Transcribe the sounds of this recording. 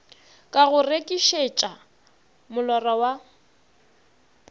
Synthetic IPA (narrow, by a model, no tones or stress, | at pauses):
kʼaɣʊrekʼiʃet͡ʃʼa | mʊlɔrɔwa